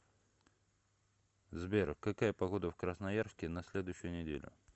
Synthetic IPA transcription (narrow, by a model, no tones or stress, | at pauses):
zbʲerkɐkajəpɐɣo̞d̪əfkɾəsnɐjarskʲɪnɐsʲlʲed̪ʊjɕːʊjʊnʲɪdʲḛlʲʊ̰